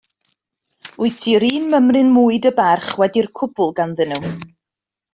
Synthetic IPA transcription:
ʊɨtʰiɾiːnməmrɨnmuːɨdəbarχwɛdirkʰʊbʊlˠɡanðənuw

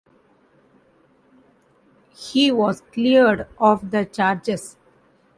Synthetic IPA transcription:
hiːʋɔːzkliəɾɖɔːʋd̪ət͡ʃaːɾd͡ʒez

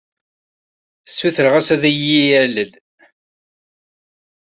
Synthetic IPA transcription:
sːuθəɾʁæsæðæjijæləl

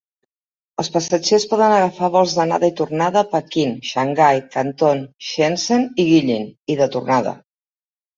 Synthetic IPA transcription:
ə̰lˠspəsəd͡ʒespɔðənəɣ̞əfaβɔlˠzðəna̰ðəit̪urnaðəpəkinʃəŋɡajkənt̪onʃenseniɣiʎiniðət̪urnaðə̰

